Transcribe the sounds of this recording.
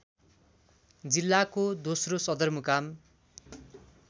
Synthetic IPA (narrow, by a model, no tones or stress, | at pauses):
d͡zilːakod̪osrosʌd̪ʌrmukam